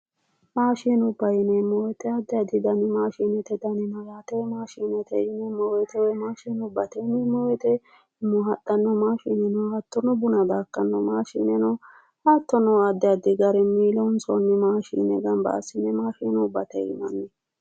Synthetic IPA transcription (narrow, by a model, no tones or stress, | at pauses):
maːʃinʊbːɐjɪnɛmːɔwɛt̪ɛɐd̪ːɛɐd̪ɪd̪ɐnɪmaːʃiːnɛt̪ɛd̪ɐnɪnɐɡaːt̪ɛmaːʃiːnɛt̪ɛɪnɛmːɔwɛt̪ɛwɛmaːʃiːnʊbːɐt̪ɛnɛmːɔwɛt̪ɛ | ɪmːʊɦɐt̪ʼːɐnːɔmaːʃiːnɛnɔhɐt̪ːɔnɔbʊnɐd̪aːkːɐnːɔmaːʃiːnɛnɔ | hat̪ːɔnɔɐd̪ːɛɐd̪ɪɡɐɾɛmiːlɔʊnsɔnːɪmaːʃḭːnɛɡɐnbɐ̰ʔɐ̰sɪnɛmaːʃiːnʊbːɐt̪ɛ̰ɪ̰mɐnːɛ